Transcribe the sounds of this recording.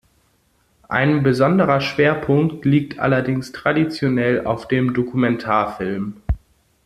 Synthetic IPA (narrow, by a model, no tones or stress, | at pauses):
ʔaɪnbəzɔndəʁɐʃv̥eːɐpʰʊŋktʰliːk̚tʰʔa̰lɐdɪŋstʁ̥adit͡sjonɛla̰ʊfd̥eːmdokumɛntʰaːɐfɪlm